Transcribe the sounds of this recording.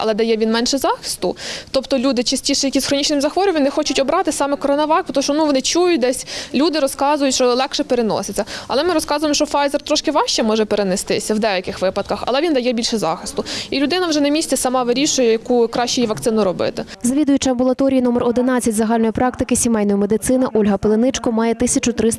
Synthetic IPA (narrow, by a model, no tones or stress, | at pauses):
ɐ̰lˠɛd̪ɐjɛʋʲinmɛnʃɛzɑxɪ̥st̪ʊt̪ɔpt̪ɔlʲud̪ɪt͡ʃɐsʲtʲiʃɛjɐkʲizxɾɔnʲit͡ʃnɪmʲzɐxʋɔɾʲʊmʲʋʲinɪxɔt͡ʃʊtʲɔbɾɑt̪ɪsɑmɛkɔɾɔnɐʋɑkpɔt̪ɔʃt͡ʃɔnuʋɔnɪt͡ʃujʊt̚ʲd̪ɛsʲlʲud̪ɪɾɔskɑzʊjʊtʲt͡ʃɔlˠɛkʃɛpeɾenɔ̰sɪt͡sʲːɐɐlˠɛmɪɾɔskɑzʊjmɔʃt͡ʃɔfɑjzɛrt̪ɾɔʃkɪʋɑʃt͡ʃɛmɔʒɛpeɾenest̪ɪsʲɐwd̪ɛjɐkɪxʋɪpɐd̪̚kɐxɐ̰lˠɛʋʲind̪ɐjɛbʲilʲʃɛzɑ̰xɪst̪ʊilʲʊd̪ɪnɐwʒɛnɐmʲisʲt͡sʲɛsɐmɑʋɪɾʲiʃʊjɛjɐkukɾɑʃt͡ʃʊjiʋɐkt̪sɪnʊɾɔbɪ̰t̪ɪ | zɐʋʲid̪ʊjʊt͡ʃɪɐmbʊlˠɐt̪ɔɾʲijinumerɔd̪ɪn̪ɑt͡sʲːɐtʲzɐɦɑlʲnɔjipɾɑkt̪ɪkɪsʲimɛjnɔjimed̪ɪt̪sɪnɪʔɔlʲɦɐpelˠenɪt͡ʃkɔmɑjɛt̪ɪsʲɐt͡ʃʊt̪ɾɪs